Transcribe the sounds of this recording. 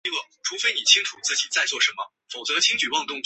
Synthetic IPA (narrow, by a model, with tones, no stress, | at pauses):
lɤ˥˩ʈ͡ʂʰu˧˥fe˥ɪni˨˩t͡ɕʰi˥ŋʈ͡ʂʰu˨˩t͡sɹ̩˥˩t͡ɕi˨˩t͡sa˥˧ɪt͡swɔ˥˩ʂə˧˥nmə̰˧ | fo˨˩ʊt͡sɤ˧˥t͡ɕʰi˥ŋt͡ɕy˨˩wɑ˥˧ŋt̪ʊ˥˧ŋt͡ɕ